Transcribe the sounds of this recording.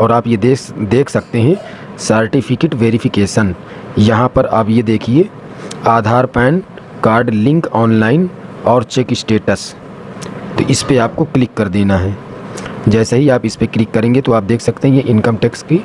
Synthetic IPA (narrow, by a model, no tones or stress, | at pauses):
ɔːɾaːpjed̪ed̪eːkʰsɐk̚t̪eɦɛ̃ | səɾʈɪpʰɪkeːʈʋeːɾifʰɪkeːʃən | jɐɦãpɐɾa̰ːpjed̪eːkʰieː | aːd̪ʱaːɾpɛːn | kaːɾɖlɪ̃ŋkɔːnlaːɪn | ɔːɾt͡ʃeːkɪsʈeːʈəs | t̪oʔɪspeaːp̚koklɪkːɐɾd̪eːnaɦɛː | d͡ʒɛːseɦiaːpɪspeklɪkːɐɾẽːŋɡet̪oaːp̚d̪eːkʰsɐkt̪eɦɛ̃jeʔɪnkəmʈɛːkski